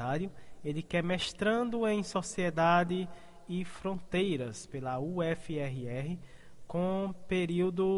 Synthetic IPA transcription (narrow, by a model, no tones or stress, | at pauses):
aɾjʊelɪkɛmɛʃt̪ɾɐ̃d̪ʊẽj̃sɔsiɛd̪ad̪ɪ | ifɾõnt̪ejɾɐspelɐuɛfiɛɦiɛɦɪ | kõpeɾiwd̪ʊ